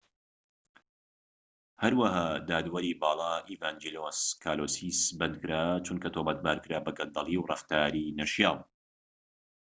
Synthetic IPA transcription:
hɐɾwɐɦaːd̪aːd̪wɐɾiːbɑːlˠɑːʔivaːnd͡ʒeloskʰaːloːsisbɐnd̪̚kɨɾaːt͡ʃunkɐt̪obɐt̪̚baːɾkɨɾaːbɐɡɐnd̪ɐlˠiwrˤɑft̪aːɾiːnɐʃjaːlˠ

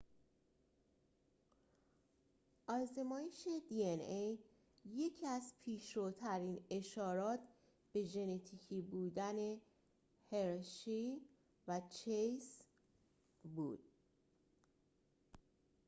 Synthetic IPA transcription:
ʔɒːze̞mɒːjeʃed̪ienej | je̞cʰæzpʰiːʃɾot̪ʰæɾiːne̞ʃɒːɾɒːt̪ʰ | b̥e̞d͡ʒe̞ne̞t̪ʰiːcʰiːbuːd̪æne̞ | he̞ɾʃi | væt͡ʃʰejs | bṵːd̪̥̚

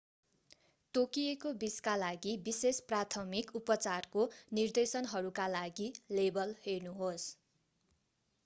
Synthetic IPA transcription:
t̪okijekobiskalaɡibisesprat̪ʰʌmikupʌt͡sarkonird̪esʌnɦʌɾukalaɡilebʌlhernuɦos

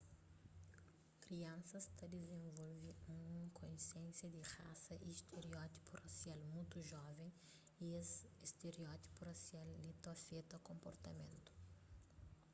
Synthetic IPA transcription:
kɾiɐ̃nsɐst̪ɐd̪ezẽvɔlviũkʰõjsjẽnsjɐd̪ɪʁa̰sɐʔist̪ʰeɾiɔt̪i̥purasjalmũjt̪uʒɔvẽj̃ | iist̪eɾiɔt̪i̥purɐsialːit̪ɔfet̪ɐkõmpoɾt̪ɐmẽnt̪ʊ̥

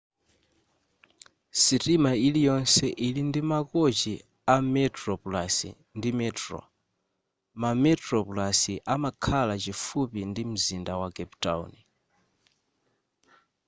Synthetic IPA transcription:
sitimailijɔnsɛʔilindimakɔt͡ʃi | amɛtɾɔplasḭ | ndimɛtɾɔ̰ | mamɛtɾɔpulasiʔamakʰalat͡ʃifupindim̩zindawakɛpta̰wni

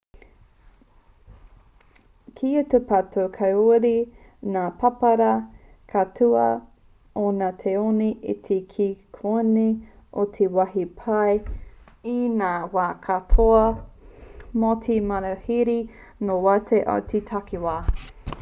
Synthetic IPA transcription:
kʰiutepʰatʰowkʰɐwɾi | naːpʰɐpɐɾɐ | kʰatʰuɐ | onat̪ʰeoniʔit̪ʰekʰikʰoni | ʔot̪ʰewaɦipʰaj | inaːwaːkʰatʰoɐ | motʰimɐɾɐhiɾi | nowatʰeʔa̰wt̪ʰitʰakiwaː

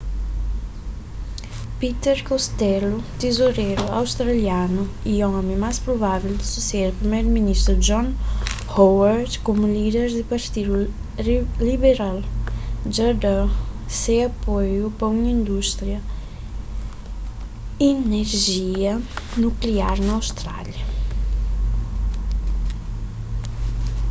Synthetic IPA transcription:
pit̪ɛɾkost̪ɛlut̪ezoɾɛɾua̰wst̪ɾaljanuiɔmẽmaspɾovavild̪isuselpɾimɛɾminist̪ɾud͡ʒɔn | hɔwaɾt̪komulid̪eɾd̪ipaɾt̪iɾu | libeɾald͡ʒɐd̪asẽɐpojupɐunĩnd̪uʃt̪ɾiɐ | ineɾʒiɐnukliaɾnɐwst̪ɾa̰ljɐ

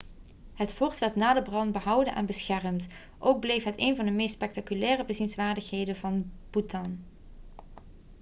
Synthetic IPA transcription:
ɦətfʊɹtʋɛɹtnaːdəbrɑnbəɦʌwdənʔɛ̰nbəsxɛrmt | ʔowɡ̚blejfɦətejnvɑndəmejstspɛk̚takylɛːrəbəzinsʋaːɹdəxɦejdənvɑnb̥utɑn

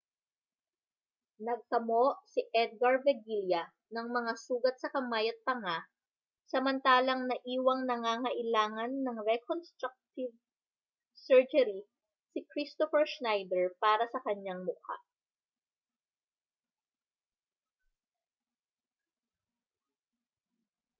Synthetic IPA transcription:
nɐɡ̚kɐmoʔsiʔɛd̪̚ɡɐɹvɛɡiljɐ | nɐŋmɐŋasuːɡɐt̪̚sɐkɐmajɐt̪̚pɐŋa | sɐmɐnt̪aːlɐŋnɐʔiːwɐŋnɐŋaːŋɐʔɪlaːŋɐnːɐŋɾɛkonst̪ɾak̚t̪ɪv | sɛɹd͡ʒɛɾi | sɪkɾist̪ofɛɹʃnajd̪ɛɹpaːɾɐsɐkɐɲaŋmʊka̰

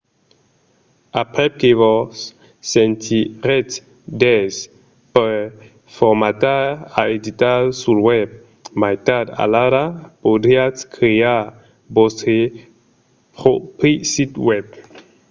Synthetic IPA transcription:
apʁɛkevɔs | sɛ̃nt̪ʰiʁɛt̪ | d̪ɛz | pɛ | fɔʁmat̪aaed̪it̪asulwɛb̚ | majt̪ada̰laɾapodʁiatkχea | boste | pʁopisit̪wɛb̚

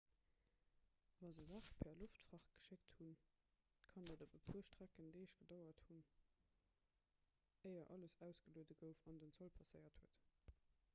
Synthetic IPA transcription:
vɑzəzɑːχpʰɛːɐloftfʁɑχɡ̥ə̥ʃekthun | kʰɑndədobəpʰuːɐʃtʁ̥ækəndeɪəʃɡ̥ədɑɐthun | əɪɐʔɑləsæʊsɡ̥əluədəɡəʊfɑndənt͡solpʰɑsəɪɐthuət

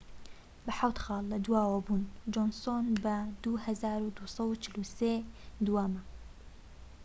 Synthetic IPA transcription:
bɐħawt̪xɑːlˠːɐd̪uwaːwɐbund͡ʒonsonbɐd̪uhɐzaːɾud̪usˤɐwut͡ʃʰɪluseːd̪uwamɐ

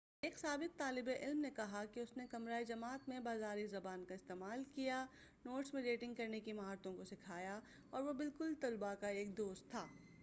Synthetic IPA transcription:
eːksaːbɪq̚t̪aːlɪbeʔɪlmnekɐɦakiʊsnekɐmɾaːid͡ʒɐmaːt̪mẽbaːzaːɾizɐbaːnkaɪst̪eːmaːlkija | noːʈsmẽɖeːʈɪ̃ŋɡkɐɾnekimɐɦaːɾt̪õkosɪkʰaːja | ɔːɾʋobɪlkʊlt̪ɐlbakaeːk̚d̪oːst̪ʰːaː

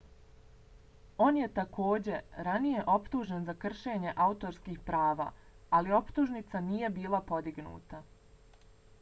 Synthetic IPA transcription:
o̞ːnje̞t̪akʰo̞ːd͡ʑe̞ɾanije̞ʔo̞pt̪uːʒenzakr̩ʃe̞ːɲe̞ʔaut̪o̞ɾskiːxpɾaːʋa̰ː | alio̞pt̪uʒnit̪sanije̞biːlˠapo̞d̪iɡnṵːt̪a

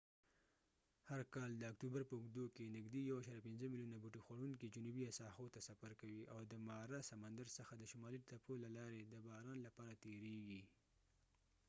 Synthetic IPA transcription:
haɾkɑld̪əakt̪ubaɾpəʊɡd̪okenɪɡd̪ijawaʃɑɾjapɪnzəmiljunabuʈixwaɽuŋkid͡ʒʊnubiasɑhot̪asafaɾkawiʔawd̪əmɑɾasamand̪aɾsəxad̪əʃʊmɑliʈ̪apolalɑɾed̪əbɑɾɑnlapɑɾat̪eɾeɡi

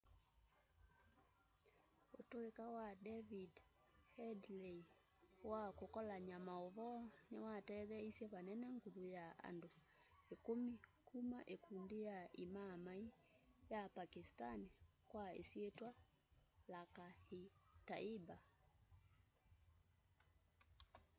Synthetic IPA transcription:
otoekawadɛvid | hɛdlei | wakokɔlaɲamaoβɔnewatɛðɛisjɛβanɛnɛŋɡuðojaa̰ndo | ekomikʰumaʔekundijaimamai | japakistani | kwaḛsietwa | laka | ta̰iba

